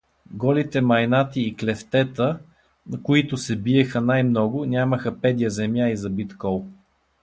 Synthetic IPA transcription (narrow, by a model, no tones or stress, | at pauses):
ɡɔlit̪ɛmɐjnat̪iːklɛft̪ɛt̪ə | nɐkʊit̪ʊsɛbiɛxənajmnɔɡʊnʲaməxəpɛd̪ʲijəzɛmjaizɐbit̪kɔlˠ